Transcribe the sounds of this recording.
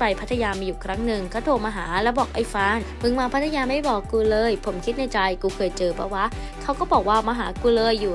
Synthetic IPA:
pa˧jpʰa˦˥t̪ːʰa˧jaː˧mi˧juː˨˩kʰɾa˦˥ŋnɯ˨˩ŋka˥˩t̪ʰoː˧maː˧ɦaː˩˦lɛː˦˥wbɔː˨˩k̚ʔa˧˩jfaː˦˥nmɯ˧ŋmaː˧˩pʰa˦˥t̪ʰːa˧jaː˧ma˥˩jbɔː˨˩kːuː˧lɤː˧jpʰo˩˦mkʰi˦˥t̪̚na˧jt͡ɕa˧jkuː˧kʰɤː˧jt͡ɕɤː˧pʰɔ̰˦˥waː˦˥ʔ | kʰa˦˥wkɔː˥˩bɔː˨˩k̚waː˥˩maː˧ɦaː˩˦kuː˧lɤː˧jːuː˨˩

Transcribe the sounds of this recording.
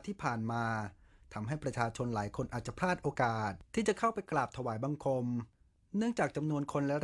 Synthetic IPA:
t̪ʰiː˥˩pʰaː˨˩nmaː˧ | t̪ʰa˧mɦa˥˩jpɾa˧t͡ɕʰaː˧t͡ɕʰo˧nlaː˩˦jkʰo˧nʔaː˨˩t̪̚t͡ɕa˨˩pʰɾaː˥˩t̪̚ʔoː˧kaː˨˩t̪̚ʰːiː˥˩t͡ɕa˨˩kʰa˥˩wpa˧jklaː˨˩p̚t̪ʰa˧waː˩˦jba˧ŋkʰo˧m | nɯ˥˩əŋt͡ɕaː˨˩k̚t͡ɕa˧mnu˧ənkʰo˧nlɛ˦˥ɾ

